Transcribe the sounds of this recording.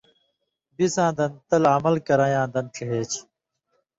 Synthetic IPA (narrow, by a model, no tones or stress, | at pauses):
bisãːd̪ɐnt̪ɐlɐmɐlkɐɾãːjãːd̪ɐnʈ͡ʂʰɐɦeːt͡ɕʰ